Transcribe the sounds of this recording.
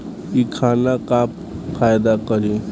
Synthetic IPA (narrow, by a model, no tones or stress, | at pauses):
ikʰanakap | pʰajd̪akəɾi